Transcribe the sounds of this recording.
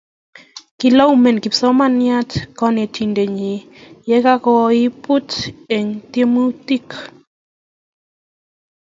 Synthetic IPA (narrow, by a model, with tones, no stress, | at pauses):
ki˨la˦u˦˨me˨nki˨psɔ˦ma˦˨nja˦tkɔ˦ne˨tʰi˨nde˨ɲi˨ | jɛ˦ka˦kɔ˦˧i˦pu˦te˨ŋt̪je˦mu˦ti˦k